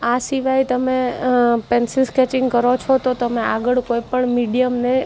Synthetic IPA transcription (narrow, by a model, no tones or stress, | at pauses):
asiʋajt̪əmepɛnsiskɛt͡ʃɪ̃ŋɡkəɾot͡ʃʰot̪ot̪əmẽaɡəɭkoipəɳmiɖijəmne